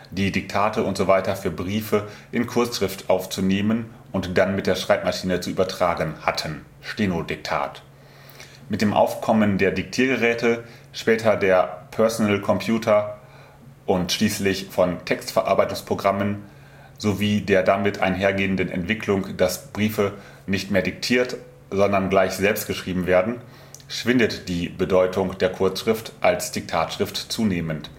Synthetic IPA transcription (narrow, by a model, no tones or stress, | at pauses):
d̥iːdɪk̚tʰaːtʰəʊntz̥ovaɪtɐfyːɐbʁiːfəʔɪnkʰʊɐsʃʁ̥ɪftʔaʊft͡suneːmən | ʔʊntd̥anmɪt̚d̥eːɐʃʁ̥aɪpmaʃiːnət͡suʔyːbɐtʁ̥aːɡən̩ha̰tʰən | ʃteːnodɪk̚tʰa̰ːt | mɪt̚d̥eːmʔa̰ʊfkʰɔməndeːɐdɪk̚tʰiːɐɡəʁɛːtə | ʃpɛːtʰɐdeːɐpʰœɐsonɛlkʰɔmpʰjuːtʰɐ | ʔʊntʃliːslɪçfɔntʰɛkstfɛɐʔa̰ɐbaɪtʊŋspʁ̥oɡʁamən | zoviːdeːɐdamɪtʰa̰ɪnɦeːɐɡeːəndənʔɛ̰ntv̥ɪkʰlʊŋd̥asb̥ʁiːfə | nɪçtmeːɐdɪk̚tʰiːɐt | z̥ɔndɐnɡlaɪçz̥ɛlpst̚ɡ̥əʃʁ̥iːbm̩veːɐdn̩ | ʃv̥ɪndətd̥iːbədɔʏtʰʊŋd̥eːɐkʰʊɐt͡sʃʁ̥ɪftʔalsd̥ɪk̚tʰaːtʃʁ̥ɪftt͡suːneːmənt